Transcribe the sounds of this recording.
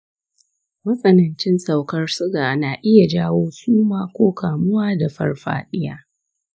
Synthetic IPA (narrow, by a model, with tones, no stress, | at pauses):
mɐ˦sʼɐ˨nɐ˨nt͡ʃɪ˦nsa˨wkɐ˦rsʊ˦ɡaː˨naː˨ʔɪ˦ja˨d͡ʒaː˦woː˦suː˦maː˦kʷoː˦kaː˨mʊ˦waː˦da˨ɸɐ̰˦rɸa̰ː˦ɗɪ˦jaː˦